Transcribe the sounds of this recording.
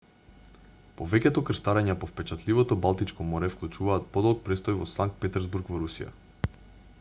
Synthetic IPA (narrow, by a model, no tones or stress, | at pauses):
povɛkʲɛt̪ɔkr̩st̪aɾaɲɛpɔfpɛt͡ʃat̪livɔt̪ɔbalˠt̪it͡ʃkɔmɔɾɛfklˠut͡ʃuvaːt̪̚pɔd̪ɔlˠk̚pɾɛst̪ɔjvɔsaŋk̚t̪̚pɛt̪ɛɾzbuɾkvɔɾusḭja̰